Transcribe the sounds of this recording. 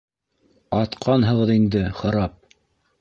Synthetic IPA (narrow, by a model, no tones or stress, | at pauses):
ɑt̪qʰɑnɦɤ̆ʁɤðind̪ɘχɤ̆ɾɑp̚